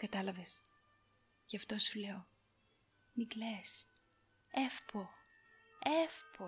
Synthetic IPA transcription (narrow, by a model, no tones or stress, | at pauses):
kɐt̪ɐlɐves | ʝɐft̪o̞sule̞o | nikles | efpʰo | efpʰo